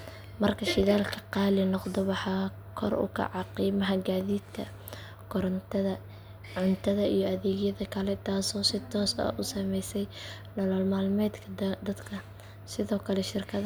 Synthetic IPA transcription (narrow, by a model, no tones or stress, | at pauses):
mɐrkʰɐʃɪðaːlkʰɐ̥qɑːlɪnɔqd̪ɔwɑħɑː | kʰɔ̰rʊ̰kʰɐ̰ʕɑqiːmɐɦɐɡaːðiːd̪kʰɐ | kʰɔɾɐ | ʕʊnt̪ʰɐðɐijɔɐðɛːɣjɐðɐkʰɐlɛt̪ʰaːsɔːsɪt̪ʰɔːsɐ̰ʔʊsɐmɛjsɛj | nɔlɔlmaːlmɛːd̪kʰɐd̪ɐd̪kʰɐ | sɪðɔːkʰɐlɛʃɪrkʰɐð